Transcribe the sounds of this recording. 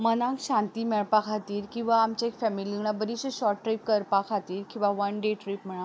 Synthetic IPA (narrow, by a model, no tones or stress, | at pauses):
mənãkɕãnt̪iːmɛɭpakʰat̪iːɾkĩw̃ʋaːmt͡ɕaekfɛmiliiŋɳabəɾiɕeɕɔʈːʈɾajp̚kəɾpakʰat̪iːɾkĩw̃ʋaʋənɖeʈɾipm̤əɭa